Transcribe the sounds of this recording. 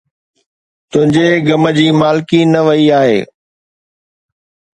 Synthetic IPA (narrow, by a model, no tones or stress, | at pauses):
t̪ʊ̃ɦɪ̃ɲd͡ʑeɡɐmə̆d͡ʑiːmaːlɪkinɐʋɐiaːɦḛː